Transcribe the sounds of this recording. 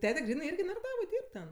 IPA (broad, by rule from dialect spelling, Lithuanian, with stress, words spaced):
ˈtʲæːtʲɛ ˈɡrʲiːnɜ ˈɪrʲɡʲɪ nɐrɐˈdɑːʋoːj ˈdʲiːrp tʲɛn